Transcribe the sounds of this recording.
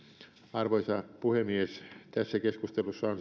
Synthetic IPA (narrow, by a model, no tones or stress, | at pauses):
ɑrʋoisɑpuhemiest̪æsːækeskust̪elusːɑon